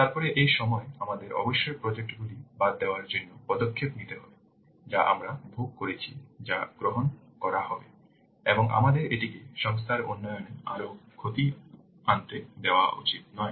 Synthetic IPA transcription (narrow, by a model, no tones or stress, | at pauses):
t̪aɾpɔɾeʔejʃɔmɔeamad̪eɾɔ̰boʃːoɾpɾod͡ʑek̚ʈoɡulibad̪̚ːeoaɾd͡ʑonːopɔd̪okʰːepnit̪eɦɔbe | d͡ʑaʔa̰mɾabʱuk̚koɾet͡ɕʰḭd͡ʑaɡ̥ɾoɦon | kɔɾaɦɔbe | eboŋʔa̰mad̪eɾeʈikeʃɔŋs̬t̪ʰaɾo̰nːɔjoneaɾokʰot̪i | ant̪ed̪eoa̰ʔṵt͡ɕit̪̚nɔe